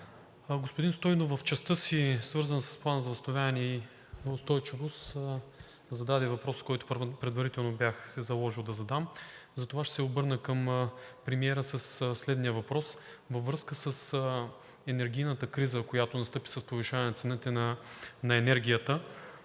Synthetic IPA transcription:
ɡospʊd̪inst̪ɔjnovəft͡ʃɛst̪ɤsisvɤɾzənsɐ̥splˠanəzɐvɐst̪ovʲavɛnɛi | ʊst̪ɔjt͡ʃivost̪ | zɐd̪ad̪ɛvɐpɾɔskɔjt̪ʊ̥ppɾɛd̪vɐɾit̪ɛlˠnobjaxsɛzɐlˠɔʒilˠd̪ɐzɐd̪amzɐt̪ovaʃt̪ɛ̥sɛobɤɾnəkəmpɾɛmiɛɾəsəsslɛd̪nijəvɐpɾɔs | vɐvɾɤskəsəs | ɛnɛɾɡ̟ʲijnət̪əkɾizəkojat̪onɐst̪ɤpi̥sɐspoviʃavɛnɐt̪sɛnət̪ɛnɐnɐɛnɛɾɡʲijət̪ə

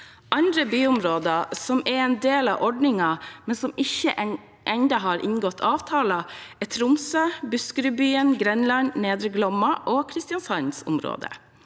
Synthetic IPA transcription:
ʔɑnd̪ɾəbyːʊmɾoːd̪əsɔmɛɾɛːnd̪eːlɑ̰ʔɔɖnɪŋɑmɛnsɔmɪçə̰ʔ | ʔɛnd̪ɑɦɑːɾʔɪ̰ŋɡɔt̪ʰːɑːʋt̪ʰɑːlɑɛt̪ʰɾʊmsøːbʉskəɾəbyːənɡɾɛnlɑnneːd̪ɾəɡlɔmɑʔoːkʰɾɪst̪ɪɑnshɑnsʊ̰mɾo̰ːd̪ə̰

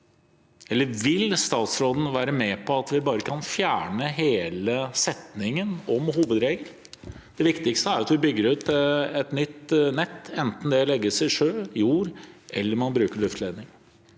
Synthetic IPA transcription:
ʔɛlːəɾʋɪlst̪ɑːt̪sɾoːd̪n̩ʋæːɾəmɛpʰɔɑt̪ʋɪbɑːɾəkʰɑnfjæːɳəɦeːləsɛt̪nɪŋənɔmɦuːʋəd̪ɾeːɡəll | d̪̥ɛʋɪkt̪ɪkst̪əæɾɑt̪ʋɪbʏɡːəɾʉːt̪ɛt̪nʏt̪ːnɛt̪ːɛnt̪n̩d̪ɛlɛɡːəsɛɪʂøːjuːɾʔɛlːəɾmɑnbɾʉːkəɭʉft̪lɛnɪŋ

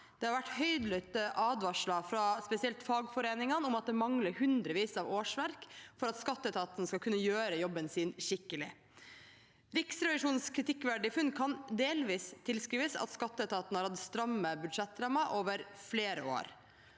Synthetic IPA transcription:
d̪̥ɛhɑɾʋæʈːhœʏd̪lœt̪əʔɑːd̪ʋɑʂɭɑfɾɑspɛsɪɛlt̪fɑːɡfɔɾeːnɪŋɑnʊmɑt̪̚d̪ɛmɑŋləɾhʉnd̪ɾəʋiːsɑːʋoːʂʋæɾkfɔɾɑt̪skɑt̪ːəɛt̪ʰɑːt̪ənəskɑlkʉnːəjøːɾəjɔbːənsiːnʃɪkːəlɪ̰ | ɾɪksɾɛʋɪʂuːnskʰɾɪt̪ʰɪkːʋæɖɪfʉnkʰɑnd̪eːlʋiːst̪ʰːɪlskɾiːʋəsɑ̰t̪skɑt̪ːəɛt̪ʰɑːt̪n̩hɑɾhɑd̪əst̪ɾɑmːəbʉd̪ʂɛt̪ːɾɑmːɑʔoːʋəɾfleːɾə̰o̰ːɾ

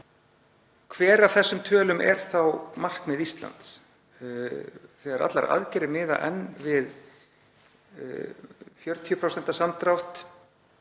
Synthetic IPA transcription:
kʰvɛːɾav̥θɛsːʏmt̪ʰœːlʏmʔɛ̰ɾ̥θawmar̥kmɪðist̪la̰nt̪s | θɛɣaɾa̰t̪la̰ɾa̰ðcɛɾɪmɪːða̰ʔɛ̰nːvɪð | fjœɾt̪ʰipʰɾowsɛn̥t̪asamt̪ɾawht̪

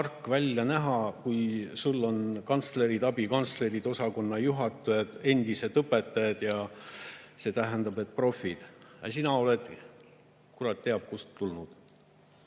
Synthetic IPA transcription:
ɑrkːˑvælʲjɑnæɦɑkujsulːo̞nkɑnt̪sle̞ɾid̪̥ɑbikɑnt̪sle̞ɾid̪̥o̞sɑko̞nːɑjuɦɑt̪ːˑujɑd̪̥e̞nʲd̪̥ise̞d̪ɤpːet̪ːˑɑjɑd̪̥jɑ | se̞ːt̪æɦænd̪̥ɑbe̞t̪̚ːˑpro̞fːid̪̥jɑ̰sinɑo̞led̪̥ | kurɑt̪t̪ːeɑb̥̚kust̪ːulnud̪̥

